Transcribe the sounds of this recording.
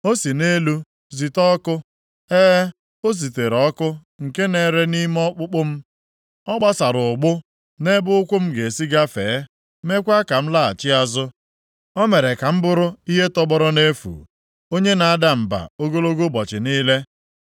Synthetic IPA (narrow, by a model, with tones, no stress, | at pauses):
o˦si˨ne˦lu˦ | zi˨tɔ˦kʊ˦ | eː˦ | o˦zi˨te˨ɾɔ˦kʊ˦ | ŋ̩˨ke˦ne˦˨ɾe˦ni˦mɔ˦k͡pʊ˦k͡pʊ˦m̩˦ | ɔ˦ɡ͡ba˦sa˨ɾʊ˨ɡ͡bʊ˦ | ne˦bʊ˦ʊ˦kʷʊ˦m̩˦ɡe˨si˦ɡa˦feː˨˦ | me˦kʷa˦ka˨m̩˦la˦˨a̰˨t͡ʃɪ˦a˦zʊ˦ | ɔ˦me˨ɾe˨ka˨m̩˦bʊ˦ɾʊ˦i˦ɦe˦tɔ˦bɔ˦ɾɔ˦ne˦fṵː˨ | o˦ɲe˦na˨˦da˦m̩˨ba̰˨o˦ɡo˦lo˦ɡo˦bɔ˨t͡ʃɪ˨niː˦le˦